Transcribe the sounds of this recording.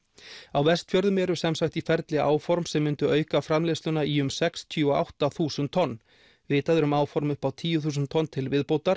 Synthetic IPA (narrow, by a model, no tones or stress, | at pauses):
awvɛst̪fjœɾðʏmɛɾʏ̥sɛmsajht̪ifɛɾt̪lɪa̰ːwfɔɾmsɛmːʏnt̪ʏœːɥkafɾamlest̪ʏnaiʏmsɛkst̪ʰjʏɔa̰wht̪aθuːsʏnt̪ʰːɔnː | vɪːt̪aðʏɾʏmaːwfɔɾmʏpawt̪ʰiːjʏθuːsʏnt̪ʰːɔnːt̪ʰɪlvɪðpowt̪aɾ